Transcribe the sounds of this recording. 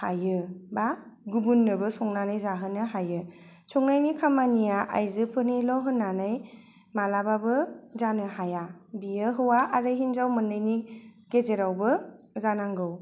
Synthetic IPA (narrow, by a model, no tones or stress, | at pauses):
hajɯbaɡubunːɯbɯsɔŋnanɯjzaɦɯnɯɦajɯ | sɔŋnajnikʰamanijaʔa̰jzɯpʰɯnilɔɦɯnːanɯj | malababɯzanɯhajabijɯɦɯwaaɾɯɦinzawmɯndɯjniɡezeɾawbɯ | zanaŋɡɯw